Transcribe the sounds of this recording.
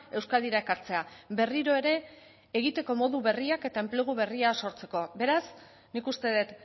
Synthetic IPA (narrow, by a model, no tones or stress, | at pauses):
e̞wskald̪iɾae̞kaɾt͡se̞abe̞riɾo̞e̞ɾe̞ː | ɣit̪e̞ko̞mo̞ðuβe̞riake̞t̪ae̞mple̞ɣ̞uβe̞riaso̞ɾt͡se̞ko̞be̞ɾas | nikust̪e̞ðe̞t̪